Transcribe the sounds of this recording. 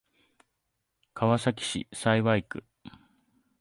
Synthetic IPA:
kʰaβasak̬ʲi̥ɕḭsaiβaikɯ̟

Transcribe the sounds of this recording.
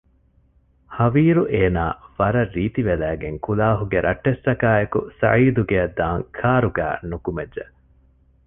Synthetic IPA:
hɐʋiːɾuʔeːnaːʋɐɾɐrːiːt̪iʋelæːɡeŋkulaːɦuɡeɾʔɐʈːest̪ɐkaːekusɐ̰ʕiːd̪uɡeɐd̪ːaːŋkʰaːɾuɡæ̰ːnukumed͡ʒʒe

